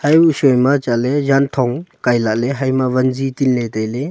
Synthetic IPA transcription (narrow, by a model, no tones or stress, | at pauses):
hajusɔjmat͡ʃalezant̪ʰɔŋkajlaʔleɦajmaβɐnzit̪ilnet̪ajle